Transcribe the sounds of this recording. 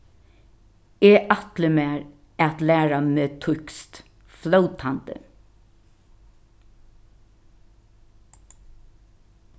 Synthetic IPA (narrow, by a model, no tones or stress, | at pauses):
eːʔat̪lɪmæːɾ | ɛt̪læːɹameːt̪ʰʊkst̪ | flowt̪ʰant̪ə̰